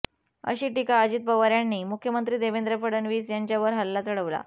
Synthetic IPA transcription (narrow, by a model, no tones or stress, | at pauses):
ə̰ɕiːʈikaːd͡ʑiːt̪̚bəʋaɾjanːiːmukʰjəmənt̪ɾiːd̪eʋend̪ɾəpəɽənʋiːsjaɲt͡ɕjaʋəɾɦəlːat͡səɽəʋla̰